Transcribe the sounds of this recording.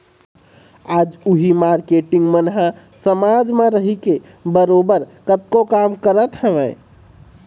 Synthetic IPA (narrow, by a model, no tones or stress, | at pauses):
aːd͡ʒʊɦimaɾkeʈɪ̃ŋɡmənɦa | səmad͡ʒmeɾəɦike | bəɾoːbəɾkət̪̚kokamkəɾət̪həʋɛ̃